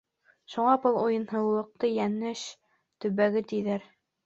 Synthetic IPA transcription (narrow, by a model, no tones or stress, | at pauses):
ʃuɴɑbɤlˠujɤ̆nɦɤ̆wlˠɤ̆q̚t̪ɤjænɘʃ | t̪ɵ̆βæɡɘt̪iðæɾ